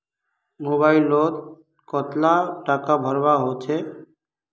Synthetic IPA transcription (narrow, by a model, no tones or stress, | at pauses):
moːbaːɪlːoːd̪̚ | kɔːt̪laʈaːkabʱəɾʋaɦoːt͡ʃʰeː